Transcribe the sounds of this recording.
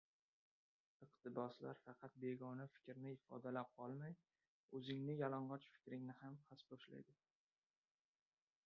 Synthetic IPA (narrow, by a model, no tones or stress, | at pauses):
ɨqt̪ʰɪbɒsla̰ɾfɑqʰɑt̪̚be̞ɡɒnafɪ̥kʲɾnɪɪfɒ̰d̪alap̚qʰɒlˠmaj | ɵzɪŋnɪjɒlɒɴɢɒt͡ʃfɪ̥kʲɾɪŋnɪhamhʰasbɒʃla̰jd̪ɪ